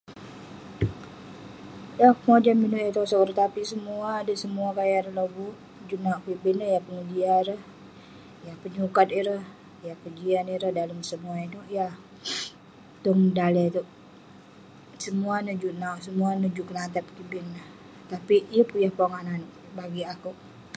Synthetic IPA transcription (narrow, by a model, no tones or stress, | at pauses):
jahŋad͡ʒaminuʔjat̪osɔkəɾt̪apisəmuaːdəsəmuakajaɾəloɡu | d͡ʒunauʔkibɪnəhjahpəŋədiaɾəh | jahpəɲukat̪iɾəh | jahkəd͡ʒianiɾəhdaləmsəmuainuʔjah | t̪ʊŋdalɛt̪oʔ | səmuanəd͡ʒuʔnauʔsəmuanəd͡ʒukəlat̪ap̪̚kibɪnːəh | t̪apiijəpujahpaŋanan | baɡiakuʔ